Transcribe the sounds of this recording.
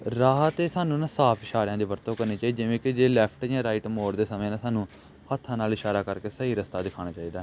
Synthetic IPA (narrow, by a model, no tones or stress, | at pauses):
ɾaːɦət̪eːsaːnũːnaːsaːpʰɪʃaːɾɪjãːd̪eːbəɾt̪õːkəɾneːt͡ʃaːid͡ʒɪʋẽːkɪd͡ʒeːlɛːpʰʈãːɾaːiːʈmoːɾd̪eːsəmẽːnãːsaːnũː | hət̪ʰːãːnaːlɪʃaːɾaːkəɾkeːsəɦiːɾəst̪aːd̪ɪkʰaːɽ̃aːt͡ʃaːiːd̪aːɦɛː